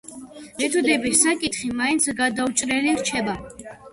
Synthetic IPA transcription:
mɛt̪ʰud̪ɛbisakʼit̪χimaint̪sʰɡad̪aut͡ʃʼɾɛliɾt͡ʃʰɛba

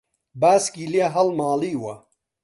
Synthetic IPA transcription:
baːskiːliɐɦɐlmaːliːwɐ

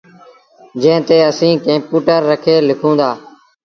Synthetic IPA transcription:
d͡ʒẽːt̪eːəsĩːkẽːpuːʈəɾːəkʰeːlɪkʰõːnd̪aː

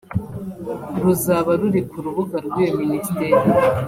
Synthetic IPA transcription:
ɾuzaβaɾuɾikʰuɾuβuɡaɾɡwijoministeːɾi

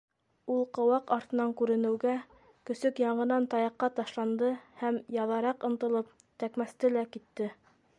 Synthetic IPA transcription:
ulˠqɤ̆wɑqɑɾt̪ɤ̆nɑŋkʉɾɘ̆nɘ̆wɡæ | kɵ̆sɵkjɑɴɢɤ̆nɑnt̪ɑjɑqːɑt̪ɑʃlˠɑnd̪ɤhæmjɑðɑɾɑqɤ̆nt̪ɤ̆lˠɤp̚ | t̪ækmæst̪ɘlækit̪ːɘ

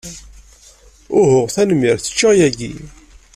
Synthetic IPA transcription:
ʊhʊʁθænəmːiɾθə̥t͡ʃːæjæɡḭ

